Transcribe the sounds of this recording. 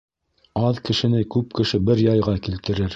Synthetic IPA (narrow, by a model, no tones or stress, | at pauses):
ɑðkɘ̆ʃɘ̆nɘkʉp̚kɘ̆ʃɘbɘɾjɑjʁɑkilt̪ɘ̆ɾɘɾ